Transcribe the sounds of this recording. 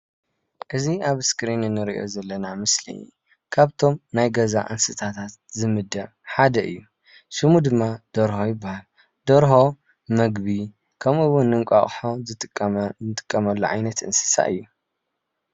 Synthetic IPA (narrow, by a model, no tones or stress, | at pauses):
ʔɨziaβskɾinɨnːɨɾiʔo̞̰zɐlːɐnamɨslḭ | kʰaβt̪ʰo̞mnajɡɐza̰ʔɨ̰nsɨt̪ʰat̪ʰat̪̚zɨmɨd̪ːɐʕ | ħad̪ɐʔɨ̰jːu | ʃɨmud̪ɨmːad̪̥ɐɾhojɪbːahal | d̪ɐɾɦo̞ | mɐɡbi | kʰɐmɨwʊnːɨŋkʷʼa̰χʼħozɨt̪ʼːt̪ʼɨ̥kʼːɐmɐlːo̰ʕa̰jnɐt̪ʔɨ̰nsɨ̥sa̰ʔɨ̰jːu